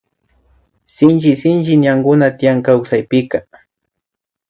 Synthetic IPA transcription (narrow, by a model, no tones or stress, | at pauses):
sɪnt͡ʃɪsɪnt͡ʃɪnjaŋɡʊnat̪ɪjaŋkawsajpɪka